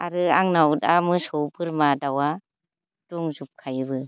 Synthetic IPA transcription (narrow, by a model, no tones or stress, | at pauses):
aɾɯaŋnawdamɯsɔwbɯɾmadawa | d̥uŋzup̚kʰajbɯ